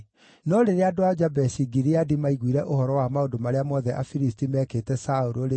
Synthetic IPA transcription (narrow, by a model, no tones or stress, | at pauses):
nɔɾeɾeadoad͡ʒabɛsiɡiɾiadimaiɣwiɾɛʔohɔɾɔwamaondomaɾeamɔðɛʔafiɾistimɛːkeːtɛsauɾoɾe